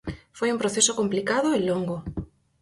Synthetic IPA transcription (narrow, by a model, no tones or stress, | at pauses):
fojumpɾoθesokomplikaðoelːoŋɡo